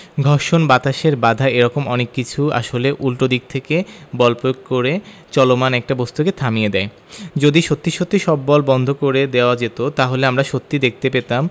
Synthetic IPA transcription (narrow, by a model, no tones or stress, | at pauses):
ɡʱɔɾʃonbat̪aʃeɾbad̪ʱaeɾɔkomɔnekːit͡ɕʰua̰ʃoleʔulʈod̪ik̚t̪ʰekebɔlpɾooɡ̚koɾe | t͡ɕɔlomanɛk̚ʈabɔst̪uket̪ʰamijed̪ɛe | d͡ʑod̪iʃot̪ːiʃot̪ːiʃɔbːɔlbɔnd̪ʱokoɾed̪eoad͡ʑet̪ot̪aɦoleamɾaʃot̪ːid̪ek̚ʰt̪epet̪am